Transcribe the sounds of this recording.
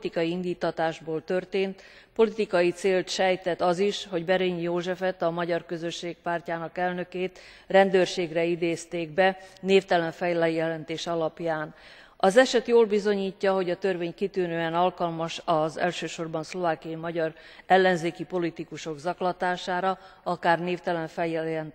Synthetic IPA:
t̪ikɒjiind̪iːt̪ːɒt̪aːʒboːlt̪ø̞rt̪eːnt̪ | po̞lit̪ikɒjit̪seːlt̪ʃɛjt̪ɛt̪ːɒziʃho̞ɟbɛɾeɲjoːʒɛfɛt̪ɒmɒɟɒrkøzø̞ʃːeːk̚paːrcaːnɒkɛlnø̞keːt̪ | rɛnd̪øːrʃeːɡrɛid̪eːst̪eːɡ̚bɛneːft̪ɛlɛɱfɛjlɛjjɛlɛnt̪eːʃɒlɒpjaːn | ɒzɛʃɛt̪joːlbizo̞ɲiːcːɒɦo̞ɟɒt̪ørveːɲkit̪yːnøːɛnɒlkɒlmɒʃɒzɛ̰lʃøːʃo̞rbɒnslo̞vaːkijɒimɒɟɒrɛlːɛnzeːkipo̞lit̪ikuʃo̞ɡzɒklɒt̪aːʃaːɾɒ | ɒkaːrneːft̪ɛlɛɱfɛjɛlɛn

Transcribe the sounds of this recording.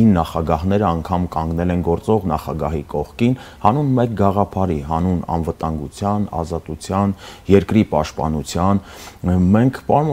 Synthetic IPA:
inːɑχɑɡɑɦnɛɾəɑŋkʰɑmkɑŋɡnɛlɛnɡɔɾt͡sɔʁnɑχɑɡɑɦikɔχkinhɑnunmɛk̚ɡɑʁɑpʰɑɾiɦɑnunɑ̰nvət̪ɑŋɡut͡sʰjɑnɑ̰zɑt̪ut͡sʰjɑnjɛɾkɾipɑʃt̪̚pɑ̰nut͡sʰjɑnmɛŋkʰpɑm

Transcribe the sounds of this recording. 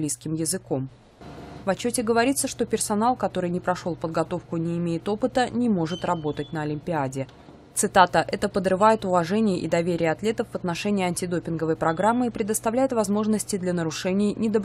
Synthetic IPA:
lʲijskʲɪmjɪzɨko̞m | vɐt͡ɕːotʲɪɡəvɐɾʲit̪səʂt̪o̞pʲɪrsɐnalˠkɐt̪o̞ɾɨjnʲɪpɾɐʂolˠpəd̪̚ɡɐt̪o̞fkʊnʲɪːmʲejɪt̪o̞pɨt̪ənʲɪmo̞ʐɨt̪rɐbo̞t̪ət̚ʲnəɐlʲɪmʲpʲɪadʲɪ | t̪sɨt̪at̪əʔɛt̪əpəd̪ɾɨvajɪt̪ʊvɐʐɛnʲɪjəʔɪ̰d̪ɐvʲeɾʲɪjəɐt̪lʲe̞t̪əfvət̪nɐʂɛnʲɪɪɐnʲtʲɪd̪o̞pʲɪnɡəvəjpɾɐɡɾamːɨɪpɾʲɪd̪əst̪ɐvlʲæjɪt̪vɐzmo̞ʐnəsʲtʲɪd̪lʲɐnəɾʊʂɛnʲɪjnʲɪd̪əb

